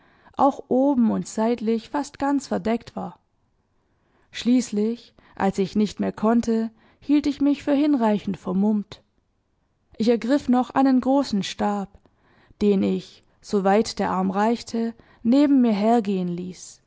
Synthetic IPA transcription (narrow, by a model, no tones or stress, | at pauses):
ʔa̰ʊxʔoːbm̩ʊntz̥aɪtlɪçfastɡ̥ant͡sfɛɐdɛktv̥aːɐ | ʃliːslɪç | ʔa̰lsɪçnɪçtmeːɐkʰɔntʰə | hiːltɪçmɪçfyːɐhɪnʁaɪçn̩tfɛɐmʊmt | ʔɪçɛɐɡʁɪfnɔχʔa̰ɪnənɡʁoːsn̩ʃtaːp | d̥eːnɪç | z̥ovaɪtd̥eːɐʔaɐmʁaɪçtʰə | neːbm̩miːɐɦeːɐɡeːənliːs